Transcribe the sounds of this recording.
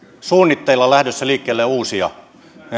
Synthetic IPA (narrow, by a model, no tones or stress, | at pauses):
suːnːit̪ːeilːɑlæhdøsːæliːkːeːlːeuːsiɑ̰